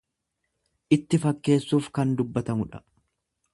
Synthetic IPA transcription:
ʔɪt̪ːɪfɐkːe̞ːsːuːfkɐnd̪ʊbːɐt̪ɐmʊᶑɐ̥

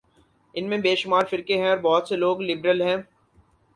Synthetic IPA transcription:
ɪnmẽbeːʃʊmaːɾfɪɾkeɦɛ̃ɔːɾbɔːʊt̪seloːɡlɪbɾəlɦɛ̃ː

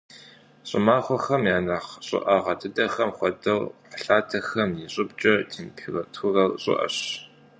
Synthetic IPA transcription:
ɕʼɪ̰maːχʷɔxɐmjaːnɐχɕʼɪ̰ʔɐʁɐdʰɨdɐxɐmχʷɔdɐwqəɬaːtʰɐxɐmjiɕʼɪbt͡ʃʼɐtʰiːmpʰirɐtʰʊrɐwɕʼɪ̰ʔɐ̰ɕ

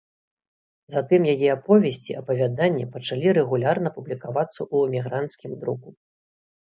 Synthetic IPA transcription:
zat̪ɨmjajɛapɔvʲɛsʲt͡sʲiʔɐpɐvʲad̪anʲːipɐt͡ʂalʲiɾɛɣulʲarnɐpublʲikavat̪sːɐʔuɛmʲiɣɾant̪skʲimd̪ɾuku

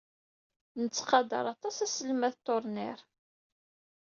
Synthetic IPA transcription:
nət͡sːqɑd̪ə̰ɾˤɑt̪ˤɑsæsəlmæθt̪ːoɾˤnɪ̰ɾ

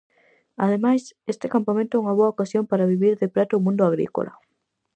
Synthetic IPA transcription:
a̰ðemajsest̪ɪkampamẽnt̪ʊɛuŋɐβoaokasjompaɾaβiβiɾðepɾɛt̪omũnd̪ʊaɣɾḭko̰lʔa̰

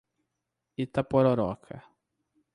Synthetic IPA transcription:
it̪apoɾoɾɔkʰɐ̰

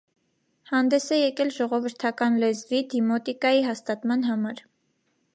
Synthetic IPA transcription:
hɑnd̪ɛsɛjɛkɛlʒɔʁɔvəɾt̪ʰɑkɑnlɛzvid̪imɔt̪ikɑjiɦɑst̪ɑt̪mɑnɦɑmɑɾ

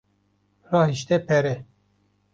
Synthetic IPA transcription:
rɑːɦiʃt̪ɛpʰɛɾɛ

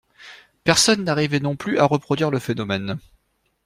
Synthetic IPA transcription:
pɛʁsɔnːaʁivɛnɔ̃plyʔaʁəpχɔd̪ɥiʁləfenɔmɛn

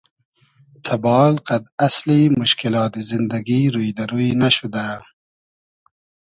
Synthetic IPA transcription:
t̪ʰabɑːlqad̪aslimʊʃkɪlɑːt̪izɪnd̪aɡiɾujd̪aɾujnaʃʊd̪a

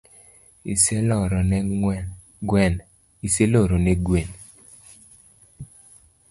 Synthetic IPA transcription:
ḭselɔɾɔnɛ | ɡwɛn | iseloɾoneɡwen

